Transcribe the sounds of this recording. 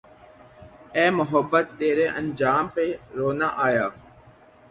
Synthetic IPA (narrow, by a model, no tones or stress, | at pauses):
ɛːmʊɦəbːət̪ːeːɾeːʔənd͡ʒaːmpeɾoːnaʔaːjaː